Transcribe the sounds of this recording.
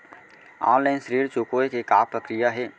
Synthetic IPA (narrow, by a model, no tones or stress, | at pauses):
a̰ːnlaɪnʃəɾiːɾt͡ʃoːkoːekekaːpɾəkɾɪjaɦɛː